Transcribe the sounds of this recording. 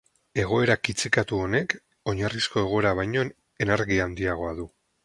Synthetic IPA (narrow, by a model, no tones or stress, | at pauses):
e̞ɣ̞o̞e̞ɾakit͡sikat̪uo̞ne̞k | o̞ɲarisko̞e̞ɣ̞o̞e̞ɾaβ̞ajɲo̞n | e̞naɾɣiand̪iaɣ̞o̞aðu